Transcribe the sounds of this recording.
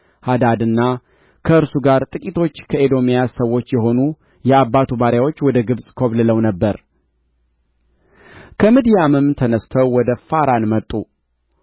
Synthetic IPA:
had̪ad̪ɨnːa | kʰəɨɾsuɡaɾt̪ʼɨkʼit̪ʰo̞t͡ʃːkʰəed̪o̞mijasəwːo̞t͡ʃːjɛɦo̞nu | jɛabːat̪ʰubaɾjawo̞t͡ʃːwɔd̪əɡɨβsʼkʰoβlɨləwnəbːəɾ | kʰəmid̪ijamɨmt̪ʰənəst̪ʰəwwɔd̪əfaɾanmət̪ʼːu

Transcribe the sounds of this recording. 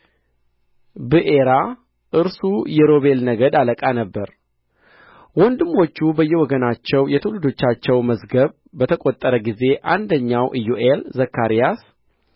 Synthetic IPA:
bɨʔeɾa | ʔɨɾsujɛɾo̞βe̞lnəɡəd̪aləkʼanəbːəɾ | wɔnd̪ɨmːo̞t͡ʃːubəjːɛwɔɡənat͡ʃːɛwjɛt̪ʰɨwlɨd̪o̞t͡ʃːat͡ʃːɛwməzɡəβ | bət̪ʰəkʼo̞t̪ʼːəɾəɡize̞ʔand̪əɲːawʔɨjuʔelzəkːaɾijas

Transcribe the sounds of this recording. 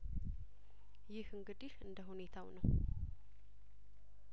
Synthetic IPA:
jɪhɨŋɡɨd̪ihɨnd̪əɦune̞t̪ʰawnəw

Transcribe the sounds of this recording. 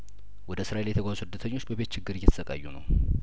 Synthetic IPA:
wɔd̪əsɨɾaeljɛt̪ʰəɡʷazusɨd̪ːət̪ʰəɲːo̞t͡ʃːbəβe̞t̪t͡ʃʰɪɡːɨɾjɛt̪ʰsəkʼa̰jːunə̰w

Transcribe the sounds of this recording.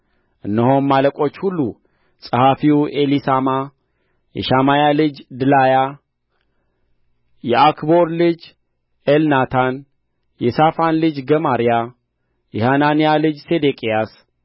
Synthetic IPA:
ʔɨnːəho̞nːaləkʼo̞t͡ʃːhulːu | sʼəhafiwʔelisama | jɛ̰ʃamajalɨd͡ʒd̪ɨlaja | jɛakʰbo̞ɾlɨd͡ʒ | elnat̪ʰan | jɛsafanlɨd͡ʒɡəmaɾija | jɛhananijalɨd͡ʒsed̪ekʼijas

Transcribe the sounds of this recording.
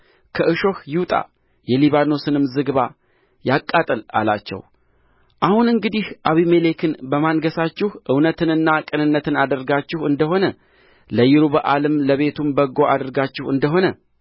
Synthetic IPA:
kʰəʔɨʃo̞hjɪwt̪ʼa̰ | jɛliβano̞sɨnɨmzɨɡβa | jakʼːat̪ʼəla̰la̰t͡ʃːɛ̰w | ʔahunɨŋɡɨd̪ihʔaβimelekʰɨnbəmanɡəsat͡ʃːɪhʔɨwnət̪ʰɨnɨnːakʼɨnɨnːət̪ɨnad̪əɾɡat͡ʃːɪhɨnd̪əɦo̞nə | ləjɪɾuβəʔalɨmləβe̞t̪ʰumbəɡo̞ʔad̪əɾɡat͡ʃːɪhɨnd̪əɦo̞nə

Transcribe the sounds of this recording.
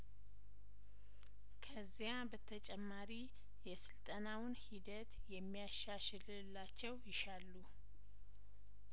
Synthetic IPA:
kʰəzːijabət̪ʰət͡ʃʼɛmːaɾi | jɛsɨlt̪ʼənawʊnhid̪ət̪jɛmːijaʃːaʃɨl | lːat͡ʃːɛwjɪʃalːu

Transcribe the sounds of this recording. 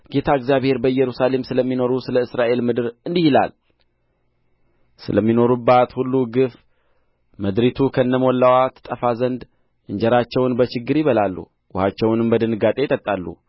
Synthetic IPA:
ɡ̥e̞t̪ʰaɨɡzjaβhe̞ɾbəɨjːɛɾusale̞msɨləmːino̞ɾusɨləɨsɾaʔe̞lmɨd̪ɨɾɨnd̪ihila̰l | sɨ̰ləmːino̞ɾubːat̪hulːuɡɨf | məd̪ɾit̪ʰukʰəɨnːəmɔlːawat̪ʰt̪ʼːəfazənd̪ | ʔɨɲd͡ʒɛɾat͡ʃːɛwnbət͡ʃɪɡːɨɾjiβəlalːṵ | wʊhat͡ʃːɛwnɨmbəd̪ɨnɨɡat̪ʼe̞t̪ʼət̪ʼːalːṵ

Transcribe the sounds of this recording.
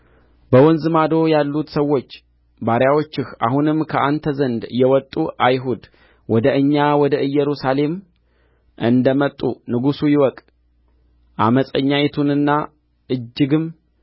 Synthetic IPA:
bəwɔnzɨmad̪o̞jalːut̪səwo̞t͡ʃː | baɾjawo̞t͡ʃːɪxʔa̰ɦunɨmːkʰəʔant̪ʰəzənd̪jɛwɔt̪ʼːuʔajɦud̪ | wɔd̪əʔɨɲːawɔd̪əʔɨjːɛɾusale̞m | ʔɨnd̪əmət̪ʼːunɨɡusujɪwɔkʼ | ʔa̰məsʼəɲːajɛt̪ʰunɨnːa | ʔɨd͡ʒːɨɡɨm

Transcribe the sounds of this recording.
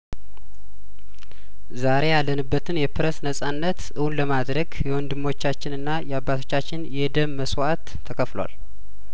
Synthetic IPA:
zaɾe̞jalːənɨbːət̪ʰɨnjɛpɨɾəsnəsʼanːət̪ʔɨwunləmad̪ɾəɡjɛwɔnd̪ɨmːo̞t͡ʃːat͡ʃːɪnɨnːajɛabːat̪ʰo̞t͡ʃːat͡ʃːɪnjɛd̪əmːəswat̪ʰːəkʰəflw̰a̰l

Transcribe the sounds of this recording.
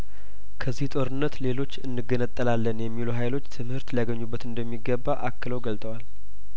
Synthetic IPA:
kʰəzːiht̪ʼo̞ɾɨnːət̪le̞lo̞t͡ʃːɨnːɨɡənət̪ʼːəlalːənjɛmːiluɦajlo̞t͡ʃːt̪ʰɨmhɨɾt̪ləjaɡəɲːubːət̪ɨnd̪əmːiɡːəbːaʔakːɨləwɡəlt̪ʼəwal

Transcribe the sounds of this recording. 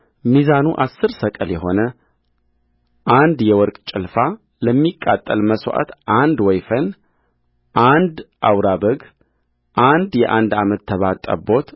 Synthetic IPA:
mizanuʔasːɨɾsəkʼəljɛɦo̞nə | ʔand̪jɛwɔɾkʼt͡ʃʼɪlfa | ləmːikʼːat̪ʼːəlməswʔa̰t̪ʔand̪wɔjfən | ʔand̪ʔawɾabəɡ | ʔand̪jɛʔand̪amət̪ʰːəβat̪ʼːə̰bo̞t̪

